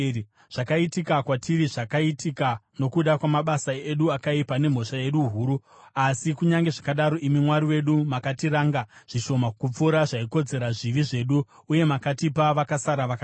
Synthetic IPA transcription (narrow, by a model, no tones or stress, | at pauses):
ʐ̥akaitikakwatʰiriʐakaitikano̞kuɗakwamaɓasaeɗuakaipane̞m̤o̞ʃae̞ɗuɦuːɾu | asikuɲaŋɡe̞ʐakaɗaɾo̞ʔimimwaɾiwe̞ɗumakatiɾaːŋɡaʐ̥iʃo̞makup͡fuɾaʐaiko̞d͡ze̞ɾaʐiʋiʐe̞ɗuː | je̞makatipaʋakasaɾaʋaka